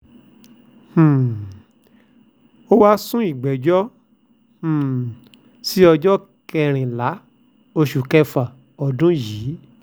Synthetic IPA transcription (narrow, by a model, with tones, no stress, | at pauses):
h̩˨ | o˦wa˦sũ˦i˨ɡ͡bɛ˨d͡ʒɔ˦ | h̩˨ | si˦ɔ˧d͡ʒɔ˦ | kɛ˧ɾ̃ĩ˨la˨˦ | o˧ʃu˨kɛ˧fa˨ | ɔ˧dũ˦jiː˨˦